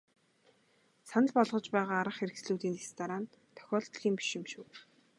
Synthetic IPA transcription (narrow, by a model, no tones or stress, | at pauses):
sanə̆ɮpɔɮʁɞ̆t͡ɕpæːʁaːɾə̆χxeɾɘ̆ksɮuːt̪iːnt̪est̪aɾaːn | t̪ʰœ̥xʲɔːɮt̪ɮiːmpi̥ʃɪ̆mʃuːw